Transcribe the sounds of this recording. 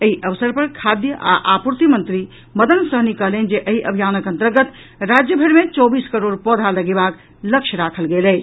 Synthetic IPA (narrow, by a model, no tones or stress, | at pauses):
eiʔəʋsəɾpəɾkʰad̪jəʔa̰ʔapuɾt̪imənt̪ɾi | məd̪ənsəɦnikəɦlend͡ʒeʔəiʔəbʱijanəkə̃nt̪əɾɡət̪ | ɾad͡ʒjəbʱeɾmet͡ʃɔbiskəɾoɽpɔd̪ʱaləɡebak | ləkt͡ʃʰəɾakʰəlɡelɛ